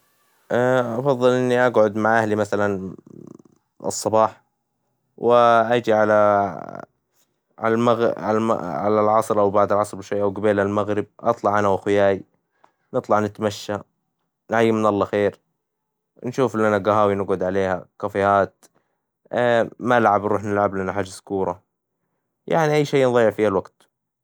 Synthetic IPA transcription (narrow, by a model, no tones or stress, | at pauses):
ʔaʔɑfɑðˤːɨlʔɪnːiʔaɡʕʊd̪maʕʔahlimaθalan | ʔɨ̰sˤːɑbɑːħ | wɪʔad͡ʒiʕala | ʕalmaɣa̰ʕa̰lalʕɑsˤɾʔawbaʕd̪ɪlʕɑsˤɾʃwajːʔawɡabeːlalmaɣɾɪb̚ʔɑ̰t̪ˤlɑʕʔanawaxɪjaːj | nɨt̪ˤlɑʕnɪt̪maʃːa | nʕajːɪmɪnʔɑlˤːɑxeːɾ | nʃuːflʔanaɡaɦaːwinɪɡʊd̪ʕaleːhakafɪhaːt̪ | manɪlʕabnɾuːħnɪlʕablʔanaħaːd͡ʒːaskuːɾˤɑ | ja̰ʕniʔajːʃeːnðˤɑjːɪʕfiːhalwaɡt̪